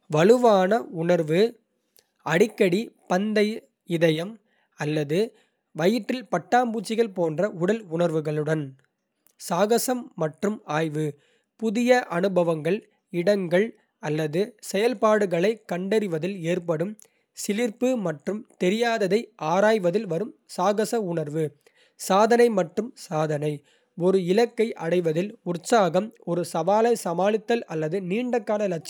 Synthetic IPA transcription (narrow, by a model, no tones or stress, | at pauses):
ʋɐlɯʋaːnɐʊɳɐɾʋɯ | ɐɽɪkːɐɽipɐnd̪ɐɪ | ɪðɐjɐm | ɐlːɐðɯ | ʋɐjɪʈːɪlpɐʈːaːmbuːt͡ʃːɪɣɐɭpoːndrɐʊɽɐlʊɳɐɾʋɯɣɐɭɯɽɐn | saːɣɐsɐmːɐʈrɯmaːjʋɯ | pʊðɪjɐʔɐnɯbɐʋɐŋɡɐɭ | ɪɽɐŋɡɐɭ | ɐlːɐðɯsɛjɐlpaːɽɯɣɐɭɐɪkːɐɳɖɐɾɪʋɐðɪleːrpɐɽɯm | sɪlɪɾpɯmɐʈrɯmt̪ɛɾɪjaːðɐðɐɪʔaːɾaːjʋɐðɪlʋɐɾɯmsaːɣɐsɐʊɳɐɾʋɯ | saːðɐnɐɪmɐʈrɯmsaːðɐnɐɪ | ɔɾɯɪlɐkːɐɪʔɐ̰ɽɐɪʋɐðɪlʊrsaːɣɐmɔɾɯsɐʋaːlɐɪsɐmaːlɪt̪ːɐlɐlːɐðɯniːɳɖɐkːaːnɐlɐt͡ʃː